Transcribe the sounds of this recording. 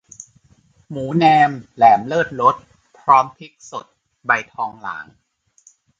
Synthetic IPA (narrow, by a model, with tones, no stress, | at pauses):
muː˩˦nɛː˧mlɛː˩˦mlɤː˥˩t̪̚ɾo˦˥t̪̚ | pʰɾɔː˦˥mp̪ʰi˦˥k̚so˨˩t̪̚ | ba˧jt̪ʰɔː˧ŋla̰ː˩˦ŋ